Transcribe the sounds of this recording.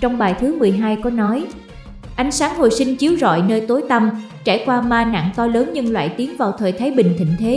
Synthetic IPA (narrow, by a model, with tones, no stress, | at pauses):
t͡ɕɔ˧wŋ͡mɓaː˨˩jt̪ʰɨ˨˦mɨ˨˩əjɦaː˧jkɔ˨˦nɔ˨˦j | ʔa˨jŋ̟saː˨˦ŋho̰˧˨jsï˧ŋ̟t͡ɕi˨˦əwzɔ̰˧˨jnəː˧jt̪o˨˦jt̪ə˧m | t͡ɕaː˧˩jkwaː˧maː˧na̰ː˧˨ŋt̪ɔ˧ləː˨˦nɲɨ˧ŋlwa̰ː˧˨jt̪i˨˦əŋvaː˨˩wt̪ʰəː˨˩jt̪ʰaː˨˦jɓï˨˩ŋ̟t̪ʰḭ̈˧˨ŋ̟t̪ʰe˨˦